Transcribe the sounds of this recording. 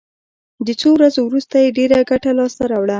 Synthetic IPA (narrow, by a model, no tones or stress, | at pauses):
d̪ət͡sowɾazowɾust̪ajeɖeɾaɡaʈalɑst̪aɾɑwɽa